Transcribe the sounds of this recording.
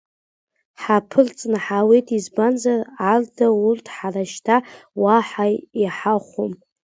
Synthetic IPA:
ħapʰɨrt͡sʼnaħawejtʰʼizbanzarardʰaurtʰħaraʃtʰawaħajiħaχʷom

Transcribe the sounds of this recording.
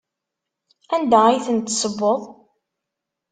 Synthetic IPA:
ænd̪æijθənt̪ːsˤəbːoðˤ

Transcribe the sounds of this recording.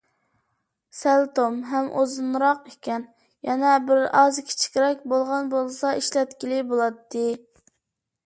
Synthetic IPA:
sælt̪omɦɛmʔozɨnɾɑqekʲɛn | jɛnɛbɪɾɑzkʲʰi̥t͡ʃʰi̥kʲɾɛkʲbolˠʁɑnbolˠsɑiʃlɛt̪kʲilɪbolˠɑt̪ʰːɨ

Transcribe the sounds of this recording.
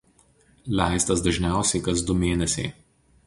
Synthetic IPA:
lʲæˑɪst̪ɐsd̪ɐʒʲnʲæˑʊsʲɛɪkɐzd̪ʊmʲeːnʲɛsʲɛɪ

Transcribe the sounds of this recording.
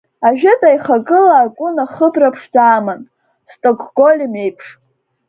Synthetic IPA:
aʒᶣɪdʼajχakʼɨlaːkʷʼʊnaχəbrapʰʂd͡zaːman | stʼoɡʰɡo̞lʲime̞jpʰʂ

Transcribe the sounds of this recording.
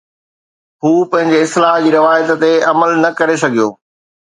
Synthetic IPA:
ɦhuːpɐ̃ɦɪ̃ɲd͡ʑeɪst̪laːɦd͡ʑiːɾɪʋaːjət̪t̪eɐməlnɐkɐɾes̬ɐɡʱijo̰ː

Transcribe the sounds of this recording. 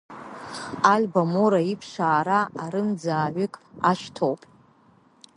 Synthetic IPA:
alʲbamoɾaipʰʂaːɾaʔaɾɨmd͡zaːʕʷʏkʼaʃtʰowpʼ

